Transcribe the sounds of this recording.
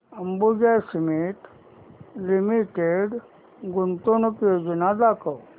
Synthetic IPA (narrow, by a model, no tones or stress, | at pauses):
əmbud͡ʒajsimiʈ | limiʈeɖ | ɡunt̪onəkjoːd͡ʒənad̪aːkʰəw